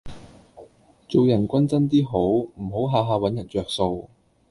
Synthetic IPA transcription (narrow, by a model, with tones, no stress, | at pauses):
t͡so˨wjɐ˨˩nkʷɐ˥nt͡sɐ˥nt̪iː˥ɦo˨˥wm̩˨˩ɦo˨˥wɦaː˨˧ɦaː˨˧wɐ˨˥njɐ˨˩nt͡ʃœː˨˧k̚so˧w